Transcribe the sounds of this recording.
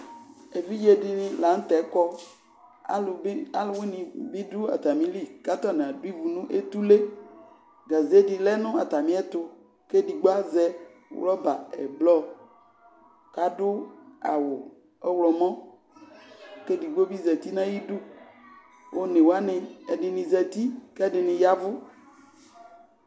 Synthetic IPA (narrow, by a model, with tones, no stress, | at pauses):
e˨vi˦d͡ʒe˦di˨nĩ˨la˨˦ŋ̩˦t̪ɛ˨˦kɔ˦ | a̰˦la˦lwe˦nĩ˨bi˦ɖu˦a̰˨t̪a˨mĩ˦li˦ka˦t̪ɔ˦˨nẽ˨a˨du˦i˦vu˨nũ˦ʔe˦t̪u˦le˦ | ɡa˨ze˦di˨lɛ˦nʊ̃˦a˨t̪a˨mĩ˦ɛ˦t̪ʊ˨ | ke˦di˨ɡ͡bo˦a˦zɛ˦ | w̰lɔ˦ba̰˨ɛ̰˨blɔ˦ | ka˨dʊ˦a˨wʊ˨ | ɛ˦wlɔ˨mɔ̃˦ | ke˦di˨ɡ͡bo˦bi˦zɛ˨t̪i˦nã˦ji˦du˦ | wʔo˦nẽ˨wo˨˦a˦nɪ̃˨ɛ˨dɪ˨nĩ˨zɛ˨t̪i˦kɛ˦dɪ˨nɪ̃˨ja˦vʊ˦